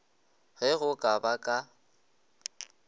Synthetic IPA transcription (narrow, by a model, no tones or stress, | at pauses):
ɣɛɣʊkʼabakʼa